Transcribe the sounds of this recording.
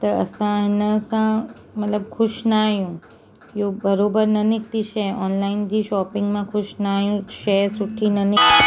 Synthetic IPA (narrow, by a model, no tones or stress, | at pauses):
t̪əəsãnəsã | mət̪ləb̚kʰʊʃnaːjũ | jobəɾobəɾnənɪk̚t̪iʃʰeɔːnlaind͡ʒiːʃɔːpɪ̃ŋɡmãkʰʊʃnaːjũʃesʊʈʰːinənɪk